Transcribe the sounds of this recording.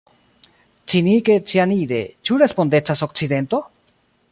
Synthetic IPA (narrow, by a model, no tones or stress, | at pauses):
t͡ʃiniket͡ʃianid̪e̞t͡ʃuɾe̞spo̞nd̪e̞t͡ʃasok̚t͡siðe̞nt̪o̞